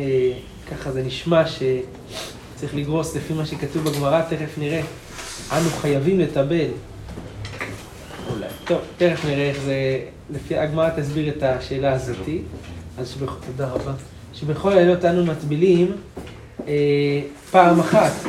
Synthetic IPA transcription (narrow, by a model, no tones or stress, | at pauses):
e | kaχaze̞niʃmaʃe̞ | t͡saʁiχliɡʁo̞slefimaʃe̞katuvbaɡmaʁat̪eʁefniʁe̞ | ʔanuχajavimle̞tabe̞l | ṵla̰jt̪o̞vt̪eʁefniʁeeχve | lefiaɡmaʁat̪asbiʁetaʃe̞ːlaːzo̞t̪ialʃbeχut̪odaʁaba | ʃebeχo̞lejo̞tanumatbilim | e | paːmaχat̪